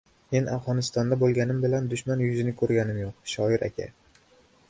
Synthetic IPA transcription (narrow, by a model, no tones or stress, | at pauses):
me̞nafʁɒnɪst̪ɒnd̪abolˠɡʲanɪmbɪland̪ʊʃmanjʊzɪnɪkʰɵɾɡʲanɪmjoq̚ʃɒɪɾakʲʰa̰